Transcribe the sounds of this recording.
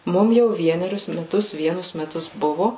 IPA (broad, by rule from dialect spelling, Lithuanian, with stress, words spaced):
ˈmʊm jɛʊ ˈʋʲiɛnʲɛrʲʊs mʲɛˈtʊs ˈʋʲiɛnʊs mʲɛˈtʊs ˈbʊʋoː